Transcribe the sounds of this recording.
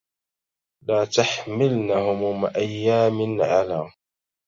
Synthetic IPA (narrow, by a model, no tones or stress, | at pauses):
laːt̪aħmɪlnahʊmʊmʔajːaːmɪnʕalaː